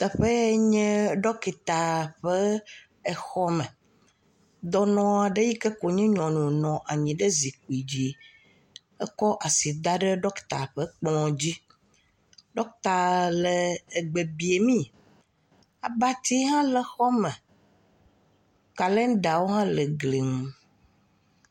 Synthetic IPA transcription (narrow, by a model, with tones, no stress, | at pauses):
t̪ə˨ɸə˦ɲɛ̃˦ɖɔ˦ki˨t̪a˨ɸə˦ | e˨xɔ˦mɛ̃˨ | d̪ɔ˦nɔ̃˦a˨ɖe˦ji˦ke˦ko˨ɲĩ˦ɲɔ̃˨nũ˨nɔ̃˨ʔa˨ɲĩ˨ɖə˦zi˨k̚u˨i˨d͡ʑi˦ | ɛ˦kɔ˦ʔa˨si˨d̪a˦ɖe˦ɖɔ˦kt̪a̰˨ɸə˦k͡plɔ̃˨d͡ʑi˦ | ɖɔ˦k̚t̪a˨lə˨e˨ɡ͡be˨bi˨e˨mĩ˦ | a̰˨ba˦t̪i˦ɦã˦lə˨xɔ˦mẽ˨ | ka˨le˦ɖa˨wo˦ɦã˦lə˨ɡli˨ŋ̩˨